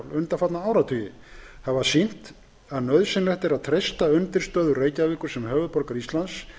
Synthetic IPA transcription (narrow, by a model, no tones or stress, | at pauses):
wlʏnt̪afat̪naaːwɾat̪ʰʏːjɪ | havasin̥t̪ | aðnœɥðsɪnlɛht̪ɛɾaðt̪ʰɾejst̪aʏnt̪ɪɾ̥st̪œːðʏreːjcavɪːkʏɾ̥sɛmɦœːvʏðpɔɾkaɾist̪lans